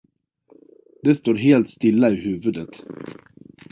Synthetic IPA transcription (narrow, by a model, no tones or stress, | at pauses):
d̪ɛst̪oːɾɦeːlt̪st̪ɪlːaɪɦʉ̟ːvɵd̪ət̪